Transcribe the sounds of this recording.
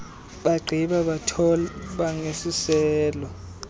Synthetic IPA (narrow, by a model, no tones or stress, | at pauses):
ɓaɡ͡ǀʱiɓaɓatʰɔlɓaŋesisɛːlɔ